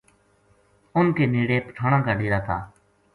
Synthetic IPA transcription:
ʊnkeːniːɽeːpəʈʰaːɽ̃ãːkaːɖiːɾaːt̪ʰa̰ː

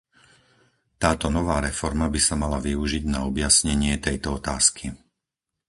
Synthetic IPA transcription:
t̪aːt̪ɔnɔʋaːɾɛfɔɾmabisamalaʋiuʒiɟnaɔbjasɲɛɲɪɛt̪ɛjt̪ɔɔt̪aːskʰi

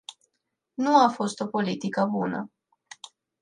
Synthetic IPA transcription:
nuafo̞st̪o̞po̞lit̪ikəbunə̰

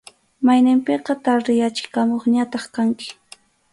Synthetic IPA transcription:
majnɪmpeqɑt̪aɾɾɪjat͡ʃɪ̥kamoχɲat̪ɑχkaŋkɪ̥

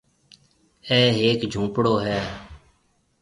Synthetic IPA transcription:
ɛːɦeːkd͡ʒʱũːpɽoːɦɛː

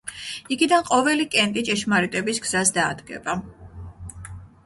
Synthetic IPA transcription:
iɡid̪anqʼɔvɛlikʼɛnt̪ʼit͡ʃʼɛʃmaɾit̪ʼɛbisɡz̥asd̪aːd̪ɡɛ̰ba

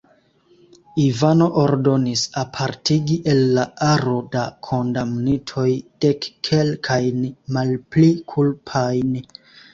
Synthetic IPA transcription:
ivano̞ʔoɾdo̞nisapʰaɾtʰiɡiʔe̞lːaaɾo̞dakʰo̞ndamnitʰo̞jd̥ekːʰe̞lkʰajnmalplikʰulpʰajn

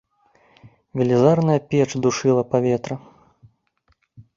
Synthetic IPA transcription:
vʲɛlʲizarnɐjɐpʲɛt͡ʂd̪uʂɨlˠɐpavʲɛt̪ɾɐ

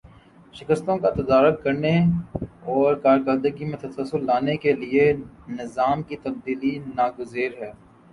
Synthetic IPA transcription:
ʃɪkəst̪õkat̪ɐd̪aːɾʊk̚kɐɾne | ɔːɾkaːɾkəɾd̪əɡimẽt̪ɐsəlsːʊlːaːnekelienɪzaːmkit̪ɐb̚d̪iːlinaːɡʊziːɾɦɛː

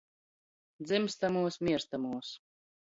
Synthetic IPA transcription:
d̪zɨmst̪amuɔsmʲiɛɾst̪amuɔs

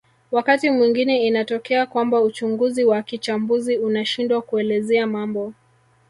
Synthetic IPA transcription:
wakatimwiŋɡinɛinatɔkɛakwambaut͡ʃuŋɡuziwakit͡ʃambuziunaʃindwakuɛlɛzɛamambɔ

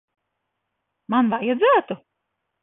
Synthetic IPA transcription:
manvajad̪zæːt̪u

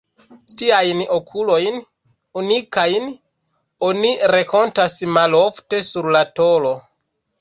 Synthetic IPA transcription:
tiajno̞kʰulo̞jn | unikajn | o̞niɾeko̞ntasmalofte̞suɾlato̞lo̞

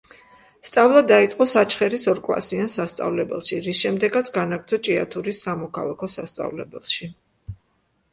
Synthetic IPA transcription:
st̪sʼavlˠad̪ait̪sʼqʼɔsat͡ʃʰχɛɾisɔɾkʼlˠa̰siansast̪sʼa̰vlɛbɛ̰lˠʃiɾisʃɛmd̪ɛɡat̪sʰɡanaɡɾd̪zɔt͡ʃʼia̰t̪ʰuɾisamɔkʰa̰lˠakʰɔsast̪sʼa̰vlɛbɛ̰lˠʃi

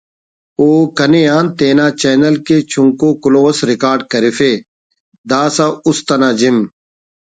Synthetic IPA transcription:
oːkɐnejaːnt̪eːnaːt͡ɕeːnɐlket͡ɕʰuŋkoːkʊloːsɾɪkaːɾɖkɐɾifeː | d̪aːsaʊst̪ɐnaːd͡ʑim

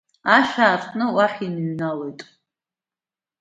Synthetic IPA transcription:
aʃᶣaːrχnɨwaħinɥnalojtʼ

